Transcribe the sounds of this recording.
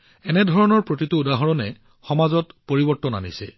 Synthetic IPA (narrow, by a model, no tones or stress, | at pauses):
ɛnɛdʱɔɹɔnɔɹpɹotituudaɦɔɹɔnɛ | xɔmazɔtpoɹibɔɹtɔna̰nisɛ̰